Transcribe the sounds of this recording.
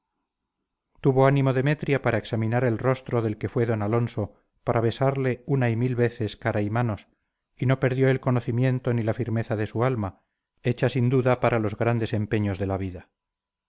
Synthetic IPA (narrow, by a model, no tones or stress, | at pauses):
t̪uβo̞anĩmo̞ðe̞me̞t̪ɾjapaɾʔaeksamĩnaɾe̞lro̞st̪ɾo̞ðe̞lke̞fwe̞ðo̞nalo̞nso̞ | paɾaβ̞e̞saɾle̞unaimilβe̞θe̞skaɾaimano̞s | ino̞pe̞ɾðjo̞e̞lko̞no̞θimje̞nt̪o̞nilafiɾme̞θaðe̞sualma | e̞t͡ʃasind̪uðapaɾʔalo̞zɣɾand̪e̞se̞mpe̞ɲozðe̞laβ̞iða